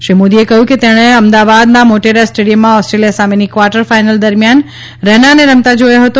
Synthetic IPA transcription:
ʃemod̪iekɐɦjuket̪ɛ̃ɦɽ̃ẽɐmd̪aʋad̪nãmoʈeɾasʈeːɽijəmːãɔːsʈɾeːlijasaːmenikʋaːɾʈəɾfaːɪnəld̪ɐɾmjan | ɾɛɦnaneɾəmt̪ad͡ʑojoɦɐt̪o

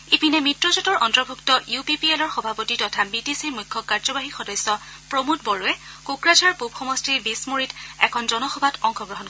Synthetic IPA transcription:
ipinɛmitɹɔzɔtɔɹʔɔntɹɔbʱuktɔʔjupipielɔɹxɔbʱapotitɔtʰabitisiɹmujkʰːɔkːaɹzɔbaɦixɔdɔjsɔpɹomut̚bɔɹuɛkukɹazaɹpubxɔmɔstiɹbismoɹitɛkʰɔnzɔnɔxɔbʱatɔŋxɔɡɹɔɦɔn

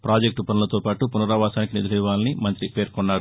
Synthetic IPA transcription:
pɾaːd͡ʒek̚ʈupɐnulɐt̪oːpaːʈupunɐɾɐʋaːsaːnikinid̪ɐliʋaːlɐnimɐnt̪ɾipe̞ːɾkɔnːaːɾu

